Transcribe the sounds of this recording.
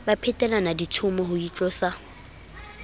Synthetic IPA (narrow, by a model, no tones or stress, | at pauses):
bapʰɛtʼɛlanaditʰʊmɔɦʊit͡ɬʼɔsa